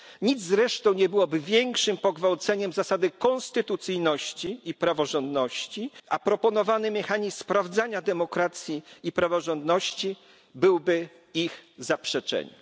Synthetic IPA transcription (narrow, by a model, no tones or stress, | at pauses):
ɲid̪zzɾɛʂt̪ɔ̃w̃ɲɛbɘwɔbɘvʲjɛŋkʂɘmpɔɡvawt̪sɛɲɛmzasad̪ɘkɔnst̪ɘt̪ut̪sɘjnɔɕt͡ɕiipɾavɔʐɔnd̪nɔɕt͡ɕiapɾɔpɔnɔvanɘmɛxaɲisspɾavd̪zaɲad̪ɛmɔkɾat̪sʲjiipɾavɔʐɔnd̪nɔɕt͡ɕi | bɘwbɘ | ixzapʂɛt͡ʂɛ̰ɲɛ̰